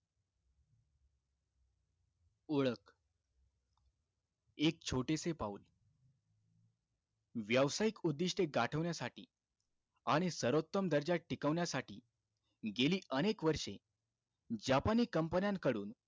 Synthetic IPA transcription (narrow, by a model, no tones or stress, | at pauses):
oɭək | ek̚t͡ɕʰoʈesepaul | ʋjaʋsajikud̪ːiʂʈeɡaʈʰəʋɳjasaʈḭː | aɽ̃isəɾot̪ːəmd̪əɾd͡ʑaʈʰːikəʋɳjasaʈḭː | ɡeliːʔənekʋəɾʂḛ | d͡ʑapaniːkəmpənjãnkəɽṵːn